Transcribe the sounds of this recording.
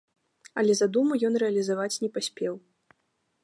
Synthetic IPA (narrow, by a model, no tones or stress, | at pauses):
ɐlʲɛzad̪umujɔnrɛɐlʲizavat͡sʲnʲɛpasʲpʲɛw